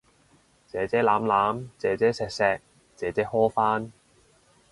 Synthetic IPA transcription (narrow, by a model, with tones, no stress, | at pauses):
t͡sɛː˨˥t͡sɛː˨˥laː˨˥mlaː˨˥mt͡sɛː˨˥t͡sɛː˥sɛː˧k̚sɛː˧k̚ | t͡sɛː˨˥t͡sɛː˨˥hɔː˥faː˥n